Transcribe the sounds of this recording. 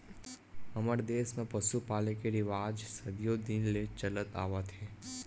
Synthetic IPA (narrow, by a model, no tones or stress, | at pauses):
ɐməɾd̪eːsmẽpəsupaːlekeɾɪʋaːd͡ʒsɐd̪ijod̪ɪnlet͡ʃɐlət̪a̰ːʋat̪ʰeː